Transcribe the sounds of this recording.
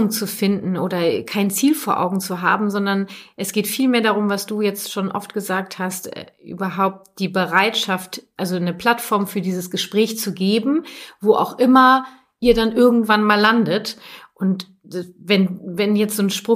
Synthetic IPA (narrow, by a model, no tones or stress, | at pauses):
ʊŋt͡sufɪndn̩ʔoːɾɐkʰaɪnt͡siːlfoːɐʔa̰ʊɡŋ̩t͡suɦa̰ːbm̩zɔndɐnʔɛsɡ̥eːtfiːlmeːɐdaːʁʊmvasd̥uːjɛt͡stʃoːnʔɔ̰ftɡ̥əzaːk̚thastɛ̰ʔy̰ːbɐɦaʊp̚t̚d̥iːbəʁaɪtʃaftʔalzonəpl̥atfɔɐmfyːɐdiːzəsɡ̥əʃpʁ̥ɛːçt͡suɡeːbm̩voːʔa̰ʊxʔɪmɐ | ʔiːɐdanʔɪɐɡŋ̩tv̥anmaːlːandətʔʊnt | vɛnvɛnjɛt͡stz̥oːnʃpʁ̥ʊ